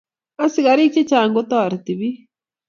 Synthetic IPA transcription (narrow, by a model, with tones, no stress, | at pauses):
a˦si˨ɣa˨ɾi˦t͡ʃe˦t͡ʃaː˨ŋɡo˦t̪o˦a˨ɾi˨t̪i˨βi˦